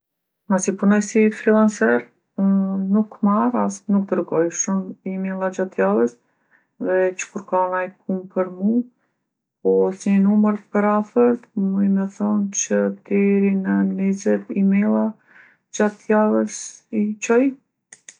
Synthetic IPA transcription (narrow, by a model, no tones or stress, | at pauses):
masipunɔjsifɾilˠansɛɾ | nukmaɾasnuk̚d̪əɾɡɔjʃumimɛlˠad͡ʒat̪ːjalˠəs | ðɛt͡ʃə̥kuɾkanajp̚ʰumpʰəɾmu | pɔsɲənuməɾpəɾafəɾt̪mujmɛθɔnt͡ʃəd̪ɛɾinənizɛt̪imɛlˠa | d͡ʒat̪ːjalˠəsit͡ʃɔj